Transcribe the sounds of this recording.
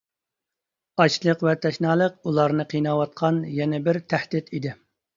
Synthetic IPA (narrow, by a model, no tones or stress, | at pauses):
ɑt͡ʃlˠəqvɛt̪ʰɛʃnɑːlˠəqulˠɑɾnɨqʰijnɑwɑt̪̚qʰɑnjɛnɛbɪɾt̪ʰæhd̪ɪt̪id̪ɪ